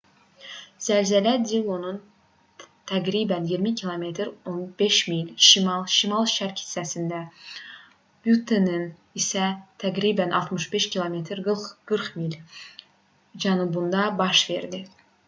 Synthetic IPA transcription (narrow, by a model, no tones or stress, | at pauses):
z̥ælzælæd̪ilˠonun | t̪ʰæɡɾibænjiɾmicʰilˠome̞t̪ʰɾonbe̞ʃmilʃimɑlˠʃimɑlˠʃæɾcʰi̥sːæsind̪æ | b̥jut̪ʰːenin | isæt̪ʰæɡɾibænʔɑ̰lˠt̪mɯʃbe̞ʃcʰʲilˠome̞t̪ʰɾɡɯlχɡ̥ɯɾχmilʲ | d͡ʒænubund̪ɑbɑʃve̞̰ɾd̪i